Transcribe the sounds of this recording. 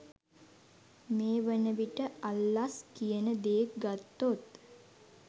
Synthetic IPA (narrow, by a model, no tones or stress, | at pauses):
meːʋənəʋiʈəalːaskijənəd̪eek̚ɡat̪ːot̪